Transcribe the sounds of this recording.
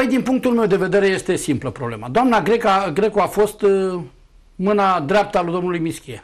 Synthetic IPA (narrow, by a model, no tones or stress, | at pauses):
jd̪inpuŋk̚t̪ulme̞wd̪e̞ve̞d̪e̞ɾe̞je̞st̪e̞simpləpɾo̞ble̞̰mad̪oamnaɡɾe̞kaɡɾe̞koafo̞st̪ | mɨnad̪ɾʲap̚t̪alud̪o̞mnulujmiskʲie